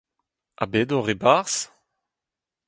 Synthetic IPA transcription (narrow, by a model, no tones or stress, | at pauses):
a̰bedoʁebaʁs